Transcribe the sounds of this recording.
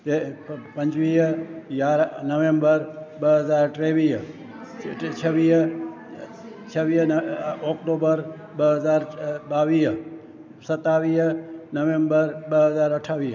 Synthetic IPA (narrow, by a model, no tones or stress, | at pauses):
epə̃ɲt͡ʃʋijaɾnəʋembəɾbəɦəzaɾʈɾeʋi | t͡ʃʰəʋi | t͡ʃʰəʋinɔkʈobəɾ | bəɦəzaɾbaʋi | sət̪aʋinəʋembəɾbəɦəzaɾəʈʰaʋi